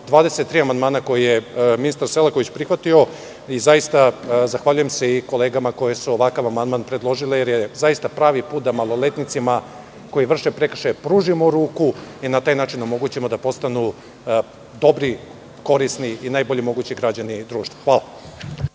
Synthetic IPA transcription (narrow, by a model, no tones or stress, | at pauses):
d̪ʋaːd̪e̞set̪ːɾiːamand̪maːnako̞jijeminist̪aɾselˠakoit͡ɕpɾixʋat̪io̞ | izajist̪azaxʋaʎuje̞mse̞iko̞leːɡamako̞jesuoʋakaʋamand̪maːnpɾe̞d̪lˠo̞ʒile̞jeɾjezaist̪apɾaːʋipuːt̪̚d̪amalˠo̞let̪nit̪sima | ko̞jiʋr̩ʃepɾekr̩ʃajpɾuːʒimo̞ɾuːkuinat̪aːjnaːt͡ʃinomo̞ɡut͡ɕemo̞d̪apo̞st̪anu | d̪o̞bɾi | ko̞ɾisniinaːjbo̞ʎimo̞ɡut͡ɕiɡɾad͡ʑanid̪ɾuːʃt̪vḁxʋaːla